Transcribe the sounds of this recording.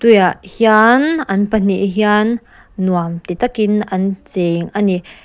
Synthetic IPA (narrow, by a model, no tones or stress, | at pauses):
t̪ujaʔhianʔɐnpən̥iʔɦianː | uamt̪it̪akinɐnt͡seŋʔani